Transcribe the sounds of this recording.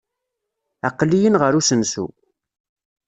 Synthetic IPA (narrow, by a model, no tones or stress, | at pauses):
æqːlijənʁəɾusənsṵ